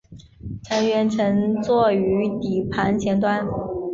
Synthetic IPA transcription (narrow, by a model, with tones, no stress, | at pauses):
ʈ͡ʂʰə˧˥nɥɛ˧˥nʈ͡ʂʰɤ˧˥ŋt͡swɔ˥˩y˧˥t̪i˨˩pʰa˧˥nt͡ɕʰjɛ˧˥nt̪wa˥n